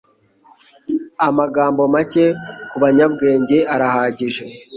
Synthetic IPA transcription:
amaɡaːmbo̞mace̞kuβaɲabɡe̞ːɲɟe̞aɾahaːɟiʒe

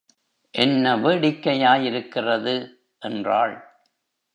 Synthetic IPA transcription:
ʔɛnːɐʋeːɽɪkːɐjaːjɪɾɯkːɪrɐðɯ | ʔɛndraːɭ

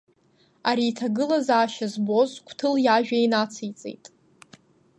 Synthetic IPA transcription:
aɾiːtʰaɡɨlazaːʃazbo̞zkʷʰtʰɨljaʒᶣainat͡sʰijt͡sʼḛjtʼ

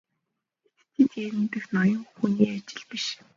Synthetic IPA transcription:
et̪t̪ʰiːt̪eɾɘ̆mt̪ɘ̆xnɔjɞ̆ŋxuniːat͡ɕɪ̆ɮpiʃ

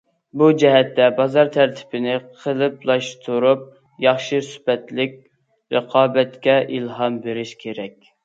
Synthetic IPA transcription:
bud͡ʒɛɦɛt̪ːɛbɑzɑɾt̪ʰæɾt̪ʰɪ̥bɪnɪqʰəlˠɨplˠɑʃt̪ʰuɾup̚ | jɑχʃisy̥pɛt̪lɪkʲ | ɾəqʰɑːbɛt̪kʲɛʔilˠɦɑmbeɾɪʃkʲʰeɾɛk̚ʲ

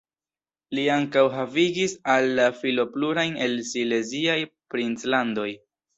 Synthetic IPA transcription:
liaŋkawɦaviɡisalːafilo̞pluɾajne̞lsile̞ziajpɾint͡slando̞j

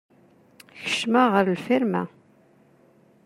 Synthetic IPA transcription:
çə̥ʃmaʁəɾlfɪɾmæ̰

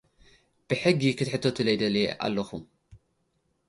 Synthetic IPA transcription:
b̥ɨħɨɡːikʰɨt̪ħɨt̪ʰːot̪ʰɨlɐjd̪ɐlḭʔa̰lːɐxum

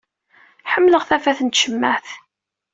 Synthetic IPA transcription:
ħəmːləʁθæfæθənt̪ʃəmːæθ

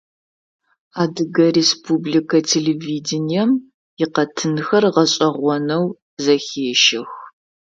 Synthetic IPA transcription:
aːdɨɡɐrespʰublikʰɐtʰeleviːdɪnijɛm | jɪqɐtʰɨnxɐrʁɐɕʼɐʁʷɔnɐw | zɐxeːʃɪx

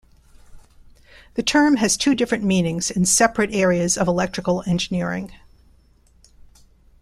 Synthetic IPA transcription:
ðɨtʰɜ̃˞mɨz̥tʰʉdɪfɹɨ̃nmĩnɪ̃ŋz̥ɨ̃nsɛpɹɨɾɛɹiɨzʌvəlɛk̚tɹ̥ɨkl̩ˠɛ̃nd͡ʒɨnɪɹɪ̰̃ŋ

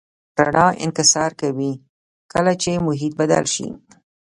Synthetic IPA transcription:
paɽɑʔɪ̰nkɪsɑɾkawi | kəlat͡ʃemʊɦit̪̚bad̪a̰lʃḭ

